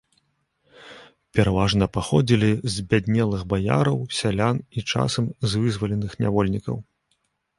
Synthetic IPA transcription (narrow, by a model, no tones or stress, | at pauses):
pʲɛɾavaʐnɐpaxɔd͡zʲilʲizbʲad̪ʲnʲɛlˠɨɣbaja̰ɾɐwsʲalʲanit͡ʂa̰sɐmzvɨzvɐlʲɛnɨxnʲa̰vɔlʲnʲikɐ̰w